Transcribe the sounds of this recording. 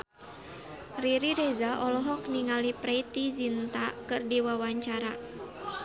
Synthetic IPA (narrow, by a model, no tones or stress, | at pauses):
riɾiɾezaʔɔlɔɦɔk̚niŋalipɾeit̪izint̪akɨrdiwawaɲt͡ʃaɾa